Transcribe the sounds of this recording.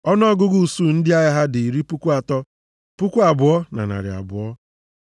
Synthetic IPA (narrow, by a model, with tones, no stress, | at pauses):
ɔ˦nɔ˦ɡʊ˦ɡu˦˨su˦˨n̩˦dɪ˦a˦jɪ˦ɦa˦dɪ˨i˨ɾi˦pu˦kʷu˦a˨tɔ˦ | pu˦kʷu˦a˨bʊ˨ɔ˦na̰˨na̰˨ɾɪ̰˨a̰˨bʊ̰˨ɔ˦